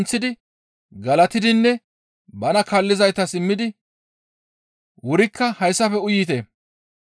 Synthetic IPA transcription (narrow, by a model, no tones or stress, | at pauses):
nt͡sːɪd̪ɪ | ɡɐlɐt̪ɪd̪ɪnːɛ | bɐnɐkɐlːɪzɐjt̪ɐsɪmːɪd̪ɪ | wʊɾɪkʰːɐhɐjsːɐfɛʊjːɪt̪e